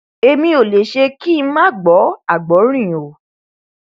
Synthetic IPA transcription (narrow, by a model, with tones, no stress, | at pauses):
e˧mĩ˧˦o˨le˨ʃe˧ki˦˧˦mãː˦˨ɡ͡bɔ˨˦a˦˨ɡ͡bɔ˨˦ɾ̃ĩ˦˨o˨